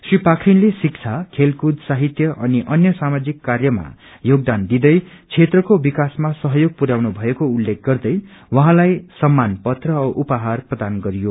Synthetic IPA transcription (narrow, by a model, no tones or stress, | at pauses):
sripakʰinlesik̚t͡sʰakʰelkud̪saɦit̪jʌʔʌniʔʌnjʌsamad͡zikːarjʌma̰ | joɡ̚d̪and̪id̪ʌjt͡sʰet̪rʌkobikasmasʌɦʌjoɡ̚puɾawnubʱʌekoulːek̚ʰɡ̥ʌrd̪ʌjwʌɦãlajsʌmːanpʌt̪rʌʌʔupaɦarprʌd̪anɡʌɾijo